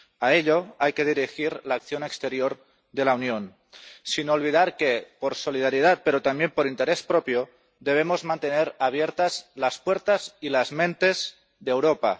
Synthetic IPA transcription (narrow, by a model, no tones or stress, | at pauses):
aeʎoajkeð̞iɾixiɾlaːkθjonekst̪eɾjoɾ | ðe̞launjon | sinolβ̞iðaɾkepoɾsoliðaɾjiðat̪̚peɾot̪ambjempoɾint̪eɾespɾopjo | ðe̞β̞emozmãnt̪eneɾaβ̞jeɾt̪azlaspweɾt̪azilazmẽnt̪e̞z | ðewɾopa̰